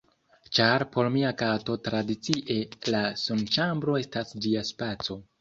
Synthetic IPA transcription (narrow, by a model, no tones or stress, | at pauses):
t͡ʃaɾpo̞ɾmiakato̞tɾadit͡siʔe̞lasunt͡ʃambɾo̞e̞stasd͡ʒiaspat͡so̞